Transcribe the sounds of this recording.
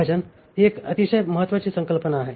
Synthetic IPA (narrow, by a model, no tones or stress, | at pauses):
əd͡ʑən | ɦiekɐt̪isəjməɦət̪ːʋat͡ɕiːsəŋkəlpənaːɦe